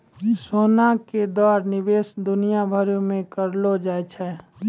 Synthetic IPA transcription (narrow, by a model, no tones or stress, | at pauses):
soːnaked̪ɔːɾnɪbeːsd̪ʊnijabʱəɾũmẽkəɾlod͡ʒaːt͡ʃʰɛː